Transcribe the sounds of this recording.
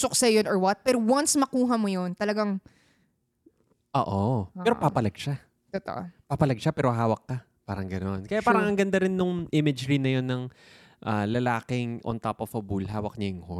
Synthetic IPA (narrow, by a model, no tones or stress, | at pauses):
sʊksɛjonɔɹwɐt̪̚pɛɾowansmɐkuːɦɐmojont̪ɐlɐɡaŋ | ʔo̰ːʔoɛːɾopapɐlɐɡ̚ʃa | t̪ot̪o̰ʔopapɐlɐɡ̚ʃapɛːɾo̞ɦaːwɐkːɐ | paːɾɐŋɡɐno̞nkɐjaʔpaːɾɐŋɐŋɡɐnd̪ɐɾɪnːʊŋʔɪmɪd͡ʒɾɪnɐjonːɐŋ | ʔalɐlaːkɪŋʔo̰nt̪apofɐbulɦaːwɐk̚ɲɐjɪŋho